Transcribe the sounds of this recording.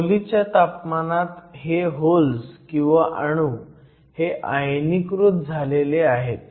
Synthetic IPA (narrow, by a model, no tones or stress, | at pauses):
lit͡ɕjat̪apmanat̪ɦeɦolskĩw̃ʋaʔaəɽ̃u | heʔajnikɾut̪̚d͡zʱaleleaɦet̪̚